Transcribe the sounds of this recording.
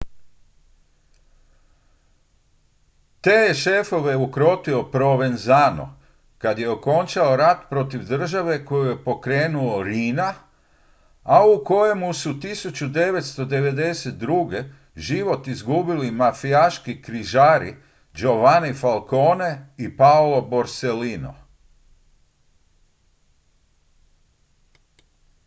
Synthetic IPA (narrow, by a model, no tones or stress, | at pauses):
t̪e̞ːjeʃe̞fo̞ʋe̞ukɾo̞t̪io̞pɾo̞ʋe̞nzaːno̰ | kad̪je̞o̞ko̞nt͡ʃao̞ɾat̪pɾo̞t̪iʋd̪r̩ʒaʋe̞ko̞juje̞po̞kɾeːnuo̞ɾiːna | auko̞je̞musut̪isut͡ɕud̪e̞ʋe̞t̪st̪o̞d̪e̞ʋe̞d̪e̞set̪̚d̪ɾuɡe̞ | ʒiʋo̞t̪izɡubilimafiaʃkikɾiʒaːɾi | d͡ʒo̞ʋanefalˠko̞ːne̞ipaolo̞bo̞ɾselino̰